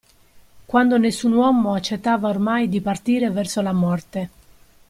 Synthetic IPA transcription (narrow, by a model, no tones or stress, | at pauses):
kwand̪onesːunwɔmoat͡ʃːet̪ːaːvaormajd̪ipart̪iːɾevɛrsolamɔrt̪e